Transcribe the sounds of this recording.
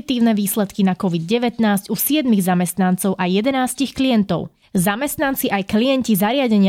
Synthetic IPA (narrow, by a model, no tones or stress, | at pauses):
it̪iːʊnɛʋiːslɛt̪kinakɔʋid̪̚ɟɛʋɛt̪naːzcusɪɛd̪miɣzamɛst̪nant͡sɔʊʔajɛd̪ɛnaːscixklijɛnt̪ɔʊ | zamɛst̪nant͡siʔajkliɛncizaɾɪaɟɛɲɪa